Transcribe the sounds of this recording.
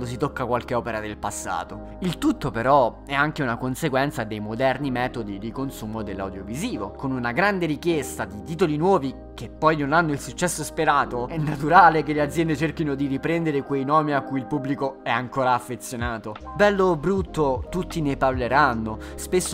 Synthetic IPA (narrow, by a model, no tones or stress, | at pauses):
d̪os̬it̪okːakwalkeɔːpeɾad̪elpasːa̰ːt̪o | ilt̪ut̪ːopeɾɔ | ɛaŋkeunakonseɡwɛnt̪sad̪ejmod̪ɛrnimɛːt̪od̪id̪ikonsuːmod̪elːa̰wd̪joviziːvokonunaɡɾand̪eɾikjest̪ad̪it̪iːt̪̬olinwɔːvi | k̟epːɔjnonanːoilsut͡ʃːɛsːospeɾaːt̪oɛnːat̪uɾaːlekelead̪zjɛnd̪et͡ʃerkinod̪iɾipɾɛnd̪eɾekwejnɔːmiakːujilpublikoɛaŋkoːɾaːfːet̪sːjonaːt̪o | bɛlːobɾut̪ːot̪ut̪ːineparleɾanːospesːo